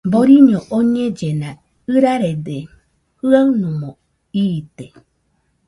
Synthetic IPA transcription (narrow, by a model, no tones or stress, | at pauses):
boɾiɲõʔoɲẽd͡ʒenã | ɨɾaɾed̪e | hɨaɨnũmõ | it̪e